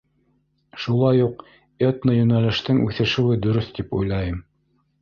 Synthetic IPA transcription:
ʃulˠɑjuq | et̪nəjɵ̆nælɘ̆ʃt̪ɘŋʉθɘ̆ʃɘ̆wɘd̪ɵ̆ɾɵθt̪ipujlˠɑjɤm

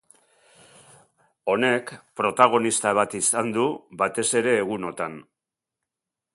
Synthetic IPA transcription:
o̞ne̞kpɾo̞t̪aɣ̞o̞nist̪aβ̞at̪isand̪uβat̪e̞se̞ɾe̞ːɣ̞uno̞t̪an

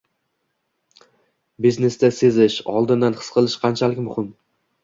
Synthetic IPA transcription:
bizne̞sd̪ase̞zɪʃɒlˠd̪ɪnd̪anχɨ̥sqʰɨlˠɪʃqʰɑnt͡ʃʰalɪkʲmʊhɪm

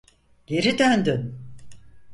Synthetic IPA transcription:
ɟ̥e̞ɾid̪ønd̪yn

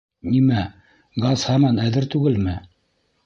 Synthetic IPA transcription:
nimæ | ɡɑshɑmɑnæðɘɾt̪ʉɡɘlmɘ

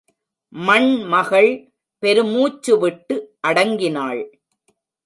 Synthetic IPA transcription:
mɐɳmɐɣɐɭ | pɛɾɯmuːt͡ʃːɯʋɪʈːɯʔɐɽɐŋɡɪnaːɭ

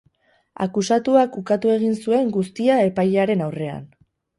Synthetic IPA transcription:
a̰kusat̪uakukat̪ue̞ɣ̞insue̞ŋɡust̪iae̞pajeaɾe̞nawre̞a̰n

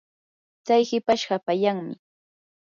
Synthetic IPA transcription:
t͡sajhɪpaʃɢɑpajaŋmɪ̰

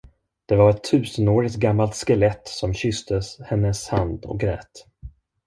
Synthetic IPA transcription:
d̪̥ɛvaɾɛt̪ʰːʉ̟ːsənoːɾɪt̪ɡamːalt̪skɛlɛt̪sɔmɕʏst̪əshɛnːəshand̪ɔ̰k̚ɡɾɛ̰ːt̪

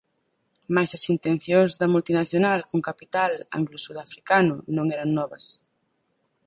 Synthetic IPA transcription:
majsɐsint̪ẽn̟θjoŋzðɐmult̪inaθjonalkuŋkapit̪ala̰ŋɡlusuðafɾikanʊnõŋɛɾaŋnɔβɐs

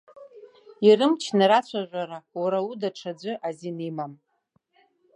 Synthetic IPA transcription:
irɨmt͡ʃʰnaɾat͡ɕʷʰaʒʷaɾawaɾaudaʈ͡ʂʰad͡zʷɨʔazinimam

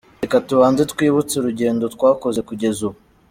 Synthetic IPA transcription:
ekatuβaːnzetkwiːβut͡seɾuɟe̞ːndo̞tkwaːko̞ze̞kuɟe̞zuβo

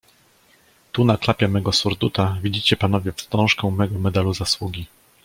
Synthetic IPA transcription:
t̪unaklapʲjɛmɛɡɔsuɾd̪ut̪avʲid͡ʑit͡ɕɛpan̪ɔvʲɛfst̪ɾɔ̃w̃ʂkɛw̃mɛɡɔmɛd̪aluzaswuɡʲi

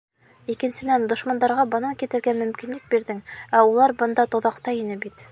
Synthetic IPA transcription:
ikɘ̆nsɘ̆nænd̪ŏʃmɑnd̪ɑɾʁɑbɤ̆nɑŋkit̪ɘ̆ɾɡæmɵ̆mkinlɘk̚biɾd̪ɘŋæulˠɑɾbɤ̆nd̪ɑt̪ŏðɑqt̪ɑinɘbit̪

